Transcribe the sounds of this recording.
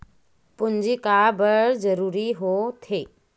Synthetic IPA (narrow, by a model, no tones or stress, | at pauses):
pʊnd͡ʒikaːbəɾzəɾuːɾiɦot̪ʰeː